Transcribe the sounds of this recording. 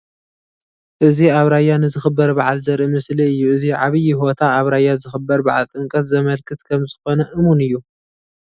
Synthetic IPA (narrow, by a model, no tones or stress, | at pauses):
ʔɨziaβɾajːanɨzɨxɨbːɐɾbaʕalzɐɾʔɨmɨsliɨjːuɨziʕaβɨjiɦo̞t̪ʰaːβɾajazɨxɨbːɐɾbaʕalt̪ʼɨŋkʼɐt̪zɐmɐlkʰɨt̪kʰɐmzɨxo̞nɐʔɨmunɨjːu